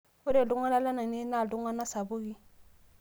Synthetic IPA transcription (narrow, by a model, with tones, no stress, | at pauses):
o˦de˨dõ˦ŋɡa˦na˦la˦na˨ne˦na˦˨dõ˦ŋɡa˦na˦sa˨bo˦ɡi˦